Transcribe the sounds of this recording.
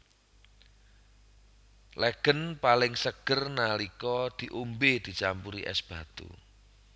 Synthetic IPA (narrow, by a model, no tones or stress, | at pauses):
lɛɡ̥ənpalɪŋsəɡ̥ərnalikɔd̪̥i̤ʔumbed̪̥i̤t͡ʃampuɾḭʔɛ̰sb̥a̤t̪ṵ